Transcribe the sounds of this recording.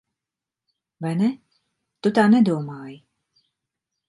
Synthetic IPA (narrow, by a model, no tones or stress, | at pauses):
vajnɛ | t̪ut̪aːnɛd̪uɔmaːji